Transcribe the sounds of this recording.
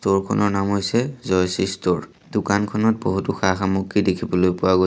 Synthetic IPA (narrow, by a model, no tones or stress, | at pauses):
toɹkʰɔ̰nɔɹnamɦojsɛzɔjsistoɹ | d̥ukankʰɔnɔt̚boɦutuxaxamukːidekʰibɔlojpʊaɡo